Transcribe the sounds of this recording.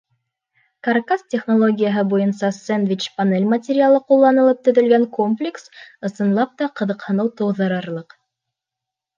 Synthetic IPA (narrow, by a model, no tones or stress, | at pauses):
kɐrkastʲeχnolˠoɡʲijaɦɤbujɤnsɑsend̪vʲit͡ɕpɐnelʲmɐtʲeɾʲɪalˠɤqulˠːɑnɤ̆lˠɤp̚t̪ɵ̆ðɵ̆lɡæŋkomplʲɪksɤ̆sɤ̆nlˠɑp̚t̪ɑqɤ̆ðɤ̆qhɤ̆nɤwt̪ɤ̆wðɤ̆ɾɤ̆ɾlˠɤq